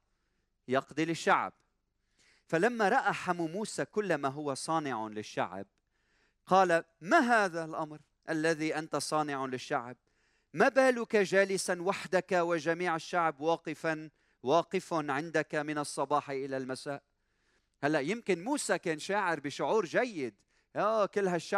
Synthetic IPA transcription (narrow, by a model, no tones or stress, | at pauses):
jɑqd̪ɪlɪʃːaʕb̚ | falamːaɾˤɑʔaħamumuːsakʊlːamaɦʊwasˤɑːnɪʕalɪʃːa̰ʕb̚ | qɑːla | maɦaːðalʔɑmɾ | ʔalːaðiʔant̪asˤɑːnɪʕalɪʃːa̰ʕb̚ | mabaːlʊkaʒaːlɪsanwaħd̪akawɪʒamiːʕaʃːaʕbwɑːqɪfan | wɑːqɪfanʕɪnd̪akamɪnɑsˤːɑbɑːħʔɪlalmasaːʔ | halːaʔjɪmkɪnmuːsakeːnʃaːʕɪɾbɪʃʊʕuːɾʒajːɪd̪ | ʔokɪlːɦaʃːa